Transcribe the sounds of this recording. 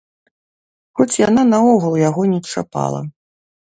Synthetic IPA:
xɔt͡sʲjananaɔɣɐlˠjaɣɔnʲɛt͡ʂa̰pa̰lˠɐ̰

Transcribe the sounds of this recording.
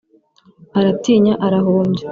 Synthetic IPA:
aɾatiːɲaʔaɾaɦoːmɟe

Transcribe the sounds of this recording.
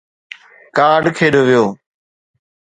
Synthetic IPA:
kaːɖkʰeːɗoːʋɪjoː

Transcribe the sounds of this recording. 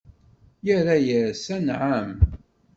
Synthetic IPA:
jəɾæjəɾsænʕam

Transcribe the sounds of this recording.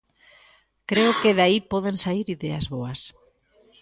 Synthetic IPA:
kɾeʊkeðaipɔðensaiɾiðea̰zβoɐs

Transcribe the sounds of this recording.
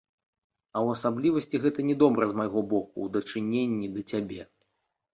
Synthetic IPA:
ɐwɐsablʲivɐsʲt͡sʲiɣɛt̪ɐnʲɛd̪ɔbɾɐzmajɣɔbɔkṵwd̪ɐt͡ʂɨnʲenʲːid̪ɐt͡sʲabʲeɛ

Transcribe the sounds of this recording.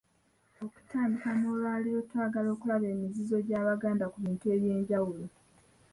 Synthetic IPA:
o̞ku̥taːmdikano̞ːlwaːliɾo̞twaːɡalo̞ːkulaβe̞ːmizizo̞ɟaːβaɡaːndakuβiːntue̞βje̞ːɲɟawulo

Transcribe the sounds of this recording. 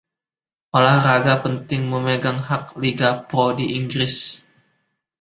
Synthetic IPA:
ʔolahraɡapənt̪ɪŋməməɡaŋɦak̚liɡapɾodiʔiŋɡɾɪs

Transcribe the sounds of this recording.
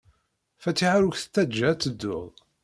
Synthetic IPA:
fæt͡sːiʕaɾuçθə̥t̪ːæd͡ʒːæt͡sːəd̪ːʊ̰ðˤ

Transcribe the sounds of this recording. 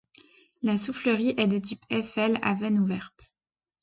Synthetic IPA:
lasufləʁiʔɛd̪ət̪ipɛfɛla̰vɛnuvɛʁt̪

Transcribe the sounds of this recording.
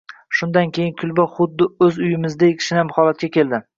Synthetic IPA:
ʃʊnd̪ankʲʰe̞jɪnkʰʊlbaχʊd̪ːɪɵzʊjɪmɪzd̪ajekʰʲɪ̥ʃɪnɪhamhɒlat̪̚kʲakʲe̞ld̪ɪ

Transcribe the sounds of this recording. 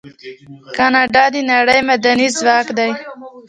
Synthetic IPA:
kɑnɑɖɑd̪inaɽəjmad̪anizwɑkd̪aj

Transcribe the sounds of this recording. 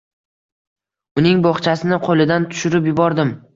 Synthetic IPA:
ʊnɪŋbɒχt͡ʃʰasɪnɪqʰolɪd̪ant̪ʰʊ̥ʃʊɾɪp̬jʊbɒɾd̪ɪm

